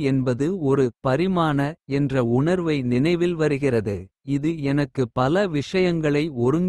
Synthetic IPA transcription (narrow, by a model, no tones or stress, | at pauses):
ɛnbɐðɯɔɾɯpɐɾɪmaːnɐɛndrɐʊɳɐɾʋɐɪnɪnɐɪʋɪlʋɐɾɯɣɪrɐðɯ | ɪðɯɛnɐkːɯpɐlɐʋɪʂɐjɐŋɡɐɭɐɪɔɾɯŋɡ